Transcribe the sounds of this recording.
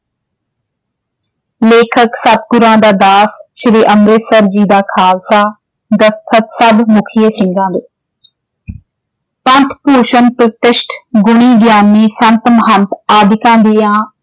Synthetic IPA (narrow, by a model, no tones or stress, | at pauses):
leːkʰəksəp̚ɡʊɾãːd̪aːd̪aːsʃɾiːʔəmɾeːsəɾd͡ʒiːd̪aːkʰaːlsaː | d̪əskʰət̪səbmʊkʰɪjəsɪ̃ŋɡãːd̪eː | pɐ̃nt̪poːʃənpɾət̪ɪʃʈʰɡʊɽ̃iːɡjaːnːiːsə̃nt̪mɦə̃nt̪aːd̪ʱɪkãːnd̪ijãː